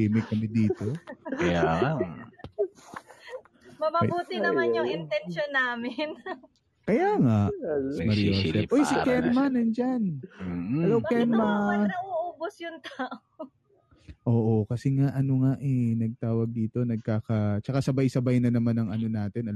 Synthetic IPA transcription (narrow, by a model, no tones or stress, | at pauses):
imɪkːɐmɛd̪iːt̪o̞ɐjaa | mɐmɐbuːt̪ɪnɐmanjʊŋɪnt̪ɛnʃonːaːmɪn | kɐjaːŋaʔsɪmɐɾjosɛfʔojsɪkɛnmɐnɐnd͡ʒan | ɐlowkɛnmanɐuʔoːbosjʊŋt̪aːʔo | ʔo̞ːʔokɐsɛŋaʔɐnoŋaʔɛnɐɡ̚t̪aːwɐɡ̚d̪iːt̪o̞nɐɡ̚kaːkɐt͡ʃɐkasɐbajsɐbajnɐnɐmanːɐŋɐno̞naːt̪ɪnɐl